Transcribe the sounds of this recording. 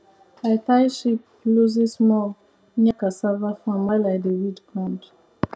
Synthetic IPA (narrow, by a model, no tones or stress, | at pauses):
atajʃip | luzismɔ | ɲakasavafɔ̃malaɪdəwidɡɹãnd